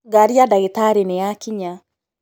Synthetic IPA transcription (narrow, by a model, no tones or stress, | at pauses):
ɡaɾiadaɣitaɾenejakiɲa